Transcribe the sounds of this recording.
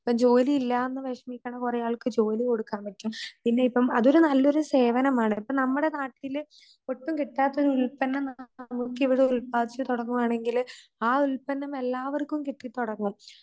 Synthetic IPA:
pːɐmd͡ʑo̞ːliːlːaenːɨʋeʂɐmikʲːɐɳɐkurɐjaːɭkɨd͡ʑo̞ːliko̞ɽukːaːmbɐtʲːumpinːe̞ipːɐmɐðo̞ɾunɐlːo̞ɾuse̞ːʋɐnɐmaːɳɨipːoɐnɐmːuɽe̞naːʈːil | oʈːumkiʈːaːt̪ːɐoɾuɭpɐnːɐmnmukːiʋiɽeuɭpaːd̪it͡ɕːɨt̪uɽɐŋːumaːɳe̞ŋɡilaːuɭpɐnːɐme̞lːaːʋɐrkːumkiʈːit̪ːuɽɐŋːum

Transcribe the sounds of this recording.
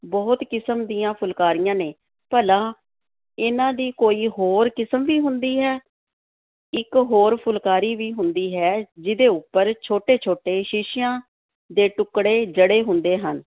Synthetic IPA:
bɔːt̪kɪsəmd̪iːãːpʰʊlkaːɾijãːneː | pəlãː | ɪnãːd̪iːkoːiːɦoːɾkɪsəmʋiːɦʊnd̪iːɦɛː | ɪkɦoːɾpʰʊlkaːɾiːʋiːɦʊnd̪iːɦɛːd͡ʒɪd̪eːʊpːəɾt͡ʃʰoːʈeːt͡ʃʰoːʈeːʃɪʃɪjãː | d̪eːʈʊkɽeːd͡ʒəɽeːɦʊnd̪eːɦən

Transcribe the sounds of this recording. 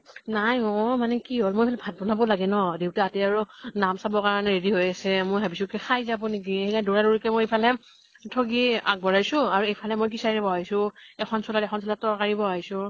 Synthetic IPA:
najɔmanɛkiɦolmojejpʰalɛbʱad̚bɔnabɔlaɡɛnɔdewtɛatɛaɹunamsabɔkaɹɔnɛɹediɦojasɛmojɦabisukɛxʰajzabɔnek̬iekaduɹaduɹikɛmojejpʰalɛ | tʰoɡia̰k̚bɔɹajsʊ̃aɹuejpʰalɛmojk̬isaɹɛbɔajsʊ̃ɛxʰɔnsɔlatɛkxʰɔnsɔlatɔɹkaɹibɔaɦisʊ̃

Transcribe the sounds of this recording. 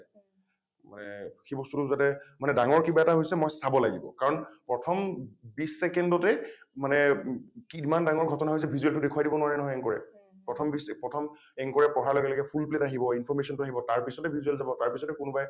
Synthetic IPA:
ma̰nɛ̰xebɔstutuzatɛmanɛdaŋɔɹkibaɛtaɦojsɛmɔjsabɔla̰ɡibɔ̰kaɹɔnpɹɔtʰɔmbisːɛkɛndɔtɛmanɛkimandaŋɔɹɡʱɔtɔnaɦojs̬ɛbʱizuɛltʊdekʰuadibɔnʊwaɹɛnɔɦɔjɛŋkɔɹɛ̰ | pɹɔtʰɔmbispɹɔtʰɔm | ɛŋkɔɹɛpɔɦalɔɡɛlɔɡɛpʰulpletaɦibɔinpʰɔɹmesiɔntʊaɦibɔtaɹpisɔtɛbʱizuɛlzabɔtaɹpisɔtɛkʊnubaj

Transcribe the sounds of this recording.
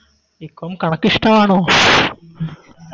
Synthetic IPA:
ikːomkɐɳɐkːiʂʈaaːɳoː

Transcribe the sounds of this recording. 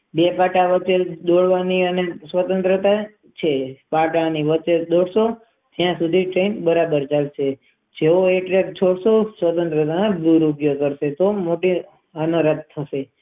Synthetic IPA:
bepaʈaʋət͡ʃeld̪oɭʋaniənesʋət̪ənt̪ɾət̪a | t͡ʃʰepaʈaniʋət͡ʃed̪oɽso | t̪jãsud̪ʱiʈɾenbəɾabəɾd͡ʒalt͡ʃʰe | d͡ʒeoeʈɾekt͡ʃʰoɽsosʋət̪ənt̪ɾət̪anaɡ̪uɾupjokəɾʃet̪omoʈi | ənoɾət̪̚ʰːəʃe

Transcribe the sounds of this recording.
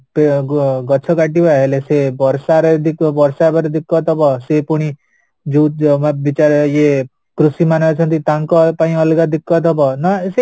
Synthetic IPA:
peɡɔt͡ʃʰɔɡaʈibaɦelesebɔɾsaɾed̪ikbɔɾsabɔɾd̪ikːɔt̪ɔbɔsepuɽ̃i | d͡ʒumabit͡ʃaɾje | kɾusimanat͡ʃʰʌnt̪it̪aŋkɔpaĩʌlɡad̪ikːɔt̪ɔbɔnɔse

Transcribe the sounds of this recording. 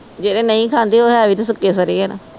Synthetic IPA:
d͡ʒeːɾeːnəĩːkʰãːnd̪eːoːɦɛːʋiːt̪esʊkːeːs̬əɾiːɦɛːna

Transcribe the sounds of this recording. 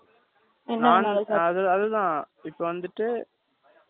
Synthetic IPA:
ɛnaːnɐðɯɐðɯt̪ãː | ɪpːoʋɐnd̪ɯʈːɯ

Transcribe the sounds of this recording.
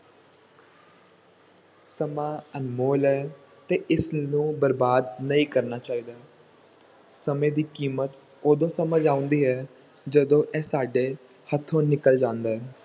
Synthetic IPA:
səmãːənmoːlɛː | t̪eːʔɪsnũːbəɾbaːd̪nəĩːkəɾnaːt͡ʃaːiːd̪aː | səmẽːd̪iːkiːmət̪ | oːd̪õːsəməd͡ʒaːʊ̃nd̪iːɦɛː | d͡ʒəd̪õːʔɛːsaːɖeː | hət̪ʰːõːnɪkəld͡ʒãːnd̪aːɦɛː

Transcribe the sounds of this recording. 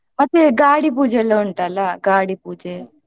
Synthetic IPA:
mɐt̪ːeɡaːɽipuːd͡ʒeːloːuɳʈaːlaɡaːɽipuːd͡ʒeː

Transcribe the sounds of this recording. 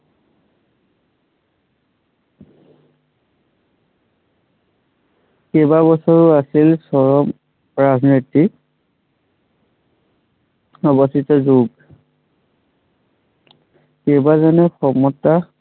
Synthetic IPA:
kebabɔsɔɹʊasilsɔɹɔm | ɹaznɔti | ɔbɔstitɔzoɡ | kebazɔnɛxɔmɔta

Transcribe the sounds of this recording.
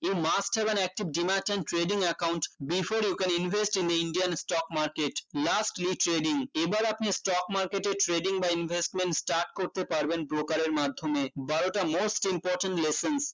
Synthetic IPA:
emasʈɛbɛnɛk̚ʈibɖimãʈẽnʈɾeɖiŋɛkawɳʈbifoɾjukɛninvʱesʈind̪iinɖiansʈɔkmaɾkeʈlasʈliʈɾeɖiŋebaɾapnesʈɔkmaɾkeʈeʈɾeɖiŋbainbʱesʈmenʈsʈaɾʈ̚koɾt̪epaɾbenpɾokaɾeɾmad̪ʱːomebaɾoʈamosʈimpɔɾʈəɳʈlesens

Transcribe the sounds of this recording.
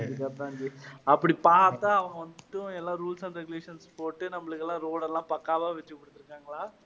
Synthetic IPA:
d̪ɯkːɐːɾt̪ãːɲd͡ʒiɐpːɐɽipaːɾt̪ːaːɐʋɐ̃ŋɡɐʋɐnd̪ɯʈ̪ːɯ̃ɛlːaːɾuːlsɐ̃nɾɛɡʊleːʂɐnspoːʈːɯnɐmːɐɭɯkːɛlːãːɾoːɽɐlːãːpɐkːaːʋaːʋɛt͡ʃːɯkːɔɽɯ̥t̪ːɪɾɯkːaːŋɡɐɭaː

